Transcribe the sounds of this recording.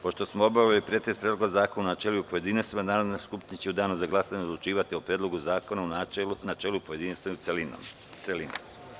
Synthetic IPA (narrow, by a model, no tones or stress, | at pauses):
po̞ʃt̪osmoobaʋilipɾet̪espɾed̪loɡozaːkonunat͡ʃeluupoje̞d̪inist̪emanaːɾod̪neskupt̪inet͡ɕeud̪aːnuzaɡlˠasaɲeod̪lˠut͡ʃiːʋat̪iopɾed̪lˠo̞ɡuzaːko̞nauanat͡ʃelupoje̞d̪inist̪en̰ | t̪selino̰m